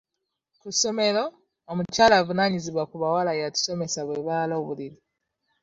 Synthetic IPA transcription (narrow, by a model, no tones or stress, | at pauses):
kusomeloː | mut͡ʃalavunaɲiziβakuβawalajatu̥somesaβeβaloβulili